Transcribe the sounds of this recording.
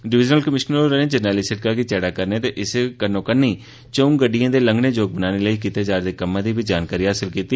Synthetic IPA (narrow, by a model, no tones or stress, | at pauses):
ɖɪʋɪd͡ʒnəlkəmɪʃnoɾɛnẽːd͡ʒəɾnɛːliːsɪʈ̚kaːkiːt͡ʃɛːɽaːkəɾnẽːt̪eːʔɪskənõːkənːiː | t͡ʃəũːɡəɖɪjãːd̪eːləŋɡneːd͡ʒoːɡ̚bənaːneːləiːkiːt̪eːd͡ʒaːɾd̪eːkəmːãːd̪iːbiːd͡ʒaːnkaːɾiːɦaːsɪlkiːt̪iː